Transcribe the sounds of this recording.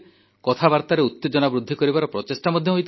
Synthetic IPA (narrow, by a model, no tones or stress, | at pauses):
kɔt̪ʰabaɾt̪aɾeut̪ːed͡ʒɔnabɾud̪ʱːikɔɾibaɾɔpɾɔt͡ʃesʈamɔd̪ʱjɔɦojt̪ʰ